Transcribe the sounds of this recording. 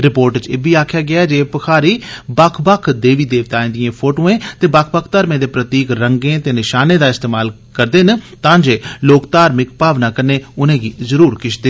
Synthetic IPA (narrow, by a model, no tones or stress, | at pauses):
ɾɪpoːɾʈt͡ʃeːbiːaːkʰjaːɡɪaːd͡ʒeːpəkʰaːɾiːbakʰbakʰd̪eːʋiːd̪eːʋt̪aːẽːd̪ijẽːpʰoːʈõːẽːt̪eːbakʰbəkʰt̪aːɾmẽːd̪eːpɾət̪iːkɾəŋɡẽːt̪eːnɪʃaːneːd̪aːɪst̪eːmaːl | kəɾd̪eːnt̪ãːd͡ʒeːloːkt̪aːɾmɪkpaːʋnaːkəɾneːʊnẽːɡiːzəɾuːɾkɪʃʰd̪eː